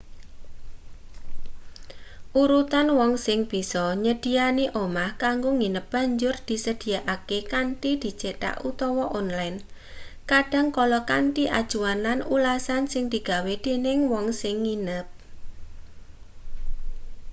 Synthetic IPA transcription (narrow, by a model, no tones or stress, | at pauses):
ʔuɾut̪anwɔŋsɪŋb̥i̤sɔɲəd̪̥i̤aneʔomahkaŋɡoŋinəp̚b̥a̤ɲd͡ʒʊrd̪̥i̤səd̪̥i̤jaʔakekaɳʈid̪̥i̤̥t͡ʃeʈa̰ʔut̪ɔwɔʔɔnlajnkaɖ̥a̤ŋkɔlɔkaɳʈiʔa̰d̥ʒ̥uananulasansɪŋd̪̥i̤ɡ̥a̤wed̪̥enɪŋwɔŋsɪŋːinəp̚